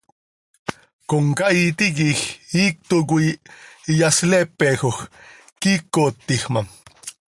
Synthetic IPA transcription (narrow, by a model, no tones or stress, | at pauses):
koŋkait̪ikixiːk̚t̪oɡ̬u | jaslepexox | kikot̪ːixmam